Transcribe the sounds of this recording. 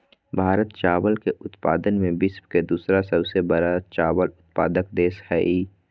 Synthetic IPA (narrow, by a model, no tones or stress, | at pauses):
bʱaːɾət̪t͡ʃaːʋəlkeʔʊt̪paːd̪ənmẽbɪspked̪uːsɾasəbsebəɾat͡ʃaːʋəlʊt̪̚pa̰ːd̪əkd̪eːshɛːiː